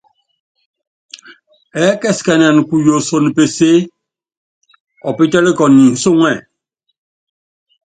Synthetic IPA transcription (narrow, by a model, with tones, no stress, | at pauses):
ɛ˨˦kɛ˦˨ska˨n˨a˨n˨ku˨jo˨so˨n˨pe˨se˦ | ɔ˨pi˦tɛ˦li˦kɔ˨nː˨i˨n̩˨so˦˨ŋɛ˦˨